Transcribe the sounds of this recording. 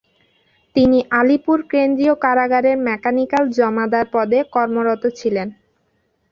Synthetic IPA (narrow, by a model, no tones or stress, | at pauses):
t̪iniʔalipuɾkɾend̪ɾiokaɾaɡaɾeɾmɛkanikald͡ʑɔmad̪aɾpɔd̪ekɔɾmoɾɔt̪ot͡ɕʰilen